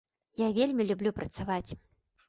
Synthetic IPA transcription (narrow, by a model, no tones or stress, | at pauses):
javʲelʲmʲilʲublʲupɾɐt̪savat͡sʲ